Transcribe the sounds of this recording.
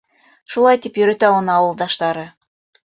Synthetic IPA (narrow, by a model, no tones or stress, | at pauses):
ʃulˠɑjt̪ipjøɾæt̪æonɑwɤ̆lˠd̪ɑʃt̪ɑɾɤ̆